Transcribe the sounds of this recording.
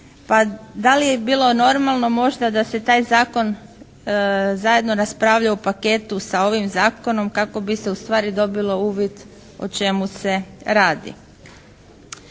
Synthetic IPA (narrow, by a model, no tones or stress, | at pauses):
pad̪alijebiːlˠo̞no̞ɾmalˠno̞mo̞ʒd̪ad̪ase̞t̪aːjzaːko̞n | zaje̞d̪no̞ɾaspɾaʋʎaupake̞t̪usao̞ʋimzaːko̞no̞mkako̞bise̞ust̪ʋaːɾid̪o̞bilˠo̞uːʋjet̪ | o̰t͡ʃe̞muse̞ɾaːd̪ḭ